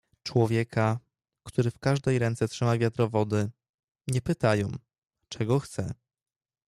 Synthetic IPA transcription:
t͡ʂwɔvʲjɛkʰa | kt̪uɾɘfkaʐd̪ɛjɾɛnt̪sɛtʂɘmavʲjat̪ɾɔvɔd̪ɘ | ɲɛpɘt̪ajɔ̃w̃ | t͡ʂɛɡɔxt̪sɛ

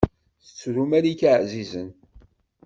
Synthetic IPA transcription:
θə̥t͡sːɾumæɾikaʕzizən

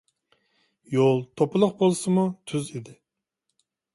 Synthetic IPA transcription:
jolˠt̪ʰopɨlˠʊχbolˠsɨmut̪ʰyzid̪ɪ

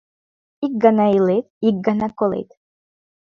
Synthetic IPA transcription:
ik̚ɡanailet̪ik̚ɡanakolḛt̪

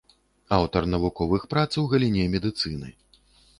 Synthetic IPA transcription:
awt̪ɐrnɐvukɔvɨxpɾat̪swɣɐlʲinʲɛmʲɛd̪ɨt̪sɨnɨ̰

